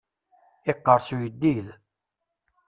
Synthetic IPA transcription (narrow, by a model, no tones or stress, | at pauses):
ɪqːəɾˤsujəd̪ːið